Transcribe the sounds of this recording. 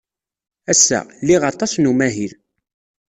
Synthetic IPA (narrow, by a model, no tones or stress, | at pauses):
æsːæ̰lːiʁɑt̪ˤɑsnumæɦiɾ